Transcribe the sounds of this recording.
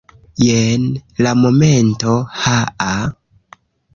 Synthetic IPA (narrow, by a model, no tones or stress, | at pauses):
jenlamo̞mento̞haʔa